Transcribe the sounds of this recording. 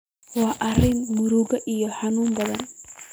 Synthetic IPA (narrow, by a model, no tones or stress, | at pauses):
waːʔɐrɪnmʊɾuɡɐʔijɔħanuːmbɐðɐn